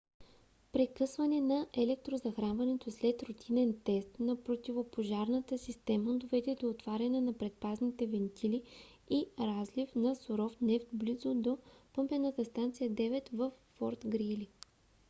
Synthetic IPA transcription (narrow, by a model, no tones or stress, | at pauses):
pɾɛkɤsvɐnɛnɐʔɛlɛk̚t̪ɾozɐxɾanvɐnɛt̪oslɛt̪ɾot̪ʰinɛnt̪ɛst̪nɐpɾot̪ivopoʒaɾnət̪əsist̪ɛməd̪ovɛd̪ɛd̪oːt̪vaɾʲɐnɛnɐpɾɛt̪̚paznit̪ɛvɛnt̪ʰili | iɾazlifnɐsoɾɔfnɛft̪blizod̪opɤmpɛnət̪əst̪ant̪sijəd̪ɛvɛt̪vəfːɔɾt̪ɡɾili